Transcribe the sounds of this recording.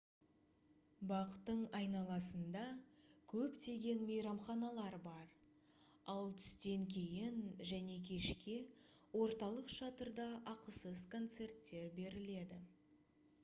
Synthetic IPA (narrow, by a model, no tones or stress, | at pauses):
bɑqə̥t̪ːəɴɑjnɑlˠɑsənd̪ɑkʲʰɵpt̪e̞ɡʲe̞nme̞jɾɑmχɑnɑlˠɑɾbɑɾ | ɑlˠt̪ʰʏ̥st̪e̞ŋkʲʰe̞jɪnʒæne̞kʲʰe̞ʃkʲe | wo̞ɾt̪ɑlˠəqʃɑt̪əɾd̪ɑʔɑqəsəzkʰo̞nt̪se̞rt̪ːe̞ɾbe̞ɾɪle̞d̪ɪ